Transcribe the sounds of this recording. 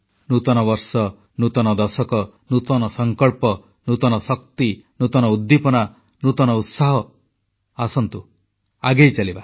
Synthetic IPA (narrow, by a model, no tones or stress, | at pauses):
nut̪ɔnɔbɔɾsɔ | nut̪ɔnɔd̪ɔsɔkɔ | nut̪ɔnɔsɔŋkɔɭpɔ | nut̪ɔnɔsɔk̚t̪inut̪ɔnɔud̪ːipɔna | nut̪ɔnɔut̪saɦɔ | asɔnt̪u | aɡejt͡ʃaliba